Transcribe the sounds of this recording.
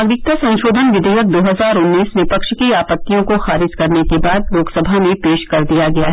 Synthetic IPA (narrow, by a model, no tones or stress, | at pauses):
aɡɾɪk̚t̪asɐ̃nʃoːd̪ʱənʋɪd̪ʱɛjək̚d̪oːɦɐzaːɾʊnːiːsʋɪpəkʃkiaːpət̪ːijõkoxaːɾɪd͡ʒkɐɾnekebaːd̪loːɡsəbʱamẽpeːʃkɐɾd̪ijaɡɐjaɦɛ